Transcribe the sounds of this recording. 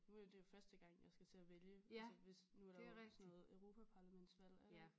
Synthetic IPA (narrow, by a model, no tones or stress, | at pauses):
nuæjd̥e̝jo̝fɶɐsd̥əɡ̥ɑ̈ŋ̰jɑ̈ɪsɡ̥æt͡sʰe̝æʋeljəsəʋe̝snuæɐɾɑsnɔ̽ːð̩ˠøʊʁo̝ːpʰæpʰɑ̈ːlæmen̰d̥sʋæl̰æ